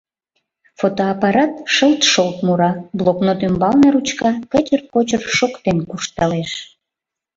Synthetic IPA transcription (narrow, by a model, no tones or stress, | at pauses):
fot̪oɑpɑɾɑt̪ʃəlˠt̪ʃolt̪muɾɑbloknot̪ymbɑlneɾut͡ɕkɑkət͡ɕərkot͡ɕərʃokt̪enkuʃt̪ɑleʃ